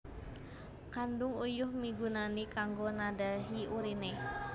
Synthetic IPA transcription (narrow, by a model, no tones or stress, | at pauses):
kandʊŋujʊhmiɡunanikaŋɡonadaɦiuɾine